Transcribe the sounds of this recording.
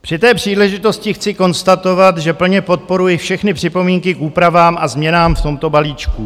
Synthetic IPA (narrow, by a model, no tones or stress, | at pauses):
pr̥ɪt̪ɛːpr̝̥iːlɛʒɪt̪o̞scɪxt͡sɪko̞nst̪at̪o̞vat̪ʒɛpl̩ɲɛpo̞t̪̚po̞ɾujɪfʃɛxnɪpr̝̥ɪpo̞miːŋkɪkʔuːpɾavaːmʔazmɲɛnaːmft̪o̞mt̪o̞baliːt͡ʃku